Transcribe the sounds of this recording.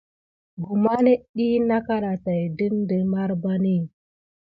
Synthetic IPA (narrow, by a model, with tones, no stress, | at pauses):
ɡu˨ma˦ne˦ɗi˦na˦ka˦ɾa˨ta˨də˦ndə˨ma˦ɾba˦ni˦